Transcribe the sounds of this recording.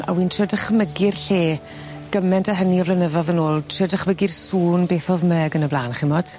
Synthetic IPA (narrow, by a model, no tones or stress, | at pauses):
a̰wiːntʰrədəχəməɡɪrɬeː | ɡ̥əmɛntʰaɦəniɔvlənəðɔðənoːlˠtʰrədəχməɡɪrsuːnbeːθɔðmɛːɡənəblˠaːnχɪmɔd̥